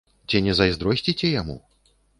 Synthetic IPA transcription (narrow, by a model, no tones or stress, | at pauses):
t͡sʲinʲɛzajzd̪ɾɔsʲt͡sʲit͡sʲɛjamṵ